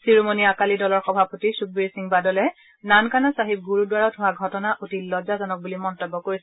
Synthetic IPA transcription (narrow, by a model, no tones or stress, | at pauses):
siɹomoniakalidɔlɔɹxɔbʱapotisuk̚biɹsiŋbadɔlɛ | nankanasaɦib̚ɡuɹudwaɹɔtɦʊwaɡʱɔtɔnaʔutilɔzazɔnɔk̚bulimɔntɔbːɔkoɹisɛ